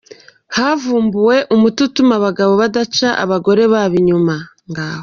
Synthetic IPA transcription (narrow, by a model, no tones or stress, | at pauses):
haːvuːmbuwe̞ʔumututumaβaɡaβo̞βadat͡ʃaʔa̰βaɡo̞ɾe̞βaːβiɲuma | ŋɡaːwo